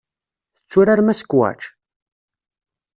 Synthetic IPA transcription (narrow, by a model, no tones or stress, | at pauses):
θət͡sːʊɾaɾmæsə̥kwæ̰t͡ʃ